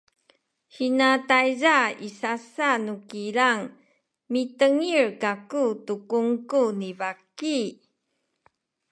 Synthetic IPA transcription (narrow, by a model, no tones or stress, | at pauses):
hinatajzaisasanukiɾaŋ | mitəŋiɹkakutukuŋkunibaki